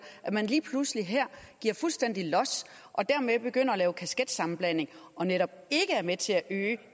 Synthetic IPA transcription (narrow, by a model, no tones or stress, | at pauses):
ʔæmænliːpʰlusliɦæɐ̰ɡ̥iɐ̰fulsd̥en̰d̥ilɒ̽s | ʔɒ̽d̥æɐ̰meb̥e̝ɡ̥øn̰ɐɒlɛːʊkʰæsɡ̥ed̥sɑ̈mn̩b̥læn̰e̝ŋʔɒ̽neɾ̥ɒ̽b̥e̝ɡ̥əæɐmet͡sʰe̝æʔøː